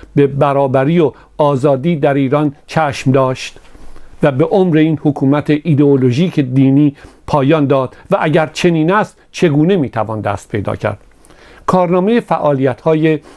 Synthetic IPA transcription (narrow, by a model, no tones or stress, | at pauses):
be̞bæɾɒːbæɾiːo | ɒːzɒːd̪iːd̪æɾiːɾɒnt͡ʃʰæːʃmd̪ɒːʃt̪væbe̞ʔomɾeiːnhokʰuːmæt̪ʰeʔiːd̪eolo̞ʒiːcʰed̪iːniːpʰɒːjɒːnd̪ɒːd̪̥væʔæɟæɾt͡ʃʰe̞niːnæst̪t͡ʃʰe̞ɡuːne̞miːt̪ʰævɒːnd̪æ̰ːst̪̚pʰe̞̰jd̪ɒ̰ːcʰæ̰ɾd̪̥̚ | kʰɒːɾnɒːme̞jefæʔɒːlijæt̪hɒːje